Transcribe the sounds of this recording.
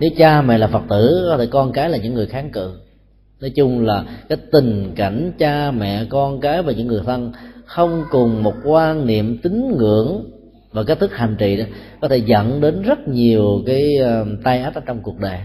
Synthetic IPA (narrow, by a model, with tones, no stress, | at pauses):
ne˨˦wt͡ɕaː˧mɛ̰˧˨laː˨˩fə˨˩t̚t̪ɨ̰˧˩kɔ˨˦t̪ʰe˧˩kɔ˧nkaː˨˦jlaː˨˩ɲɨ̰˧˥ŋːɨ˨˩əjxaː˨˦ŋkɨ̰˧˨ | nɔ˨˦jt͡ɕʊ˧ŋ͡mlaː˨˩kaː˨˦jt̪ï˨˩ŋ̟ka˧˨jŋ̟t͡ɕaː˧mɛ̰˧˨kɔ˧nkaː˨˦jvaː˨˩ɲɨ̰˧˥ŋːɨ˨˩əjt̪ʰə˧ŋxə˧wŋ͡mkʊ˨˩ŋ͡mmo˨˩t̚kwaː˧nnḭ˧˨əmt̪ï˨˦ŋ̟ŋɨ̰˧˥˨əŋ | vaː˨˩ke˦˥t̪̚ɨ˦˥k̚ha˨˩jŋ̟t͡ɕḭ˧˨ɗɔ˨˦kɔ˨˦t̪ʰe˧˩zə̰˧˨nɗe˨˦nzə˦˥t̚ɲi˨˩əwkaː˨˦jt̪a˧jʔaː˦˥t̚ʔaː˧t͡ɕɔ˧wŋ͡mku˨˩ək̚ɗəː˨˩j